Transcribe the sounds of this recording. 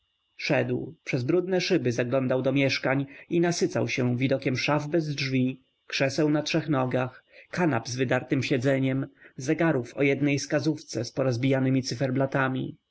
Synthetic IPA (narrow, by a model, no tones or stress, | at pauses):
ʂɛd̪wpʂɛzbɾud̪nɛʂɘbɘzaɡlɔnd̪awd̪ɔmʲjɛʂkaɲinasɘt̪sa̰wɕɛvʲid̪ɔkʲɛmʂavbɛzdʐvʲi | kʂɛsɛwnatʂɛxnɔɡaxkanabzvɘd̪aɾt̪ɘmɕɛd̪zɛɲɛmzɛɡaɾufɔ̰jɛd̪nɛjskazuft̪sɛspɔɾɔzbʲijanɘmʲit̪sɨfɛɾblat̪amʲḭ